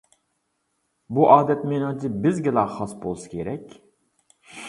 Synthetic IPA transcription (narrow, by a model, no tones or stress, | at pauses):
buʔɑːd̪ɛt̪menɨŋt͡ʃʰɨbɪzɡʲɛlˠɑχɑsbolˠsɨ̥kʲʰeɾɛkʲ